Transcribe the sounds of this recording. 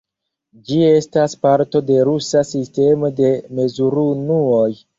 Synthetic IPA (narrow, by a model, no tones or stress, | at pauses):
d͡ʒie̞staspaɾto̞de̞ɾusasiste̞mo̞de̞me̞zuɾunuoj